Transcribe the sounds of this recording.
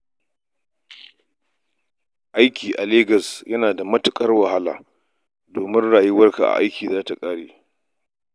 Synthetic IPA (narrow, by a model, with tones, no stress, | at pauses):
ʔa˦jkʲiː˨ʔa˨leː˦ɡɐ˨sjɐ˦naː˨da˨mɐ˦tʊ˨kʼɐ˦rwɐ˨ha˦la̰ː˨ | doː˨mɪ˦nɽaː˨ji˦wɐ˦rka˨ʔa̰˨ʔa˦jkʲiː˨zaː˦ta˨kʼaː˦ɽeː˨